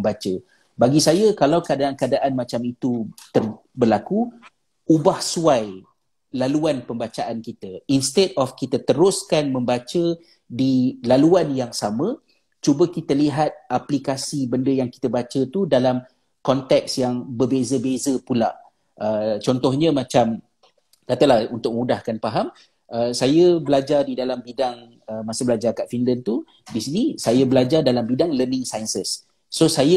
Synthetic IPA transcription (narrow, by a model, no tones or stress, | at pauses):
mbat͡ʃə | baɡisajəkalawkəadaankəadaʔanmat͡ʃamit̪ut̪ər | bərlaku | ubahsuaj | laluanpəmbat͡ʃaʔankit̪əinst̪ɛdɔfkit̪ət̪əɾʊskanmə̃mbat͡ʃə | dilaluanjaŋsamə̃ | t͡ʃubəkit̪əliɦat̪̚ʔaplikasibəndəjaŋki̥t̪əbat͡ʃət̪udalam | kɔnt̪ɛksjaŋbərbezəbezəpulaʔ | ʔət͡ʃɔnt̪ɔhɲə̃mãt͡ʃam | kat̪əlahunt̪ʊk̚əmudahkanpaɦam | ʔəsajəbəlad͡ʒardidalambidaŋ | əmasəbəlad͡ʒarkaʔfinlənt̪u | disinisajəbəlad͡ʒardalambidaŋlərnɪ̃ŋsajənsəsː | osajə